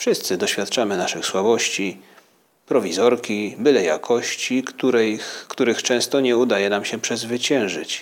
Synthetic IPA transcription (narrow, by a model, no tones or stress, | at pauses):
fʂɘst̪sɘd̪ɔɕfʲjat̪t͡ʂamɘnaʂɘxswabɔɕt͡ɕi | pɾɔvʲizɔɾkʲibɘlɛja̰kʰɔɕt͡ɕikt̪uɾɛkt̪uɾɘxt͡ʂɛ̃w̃st̪ɔɲɛud̪ajɛnamɕɛpʂɛzvɘt͡ɕɛ̃w̃ʐɘ̰t͡ɕ